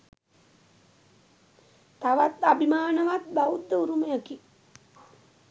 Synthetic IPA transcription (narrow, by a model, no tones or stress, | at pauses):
t̪aʋat̪abimaːnəʋat̪̚baud̪ːəuɾuməjəki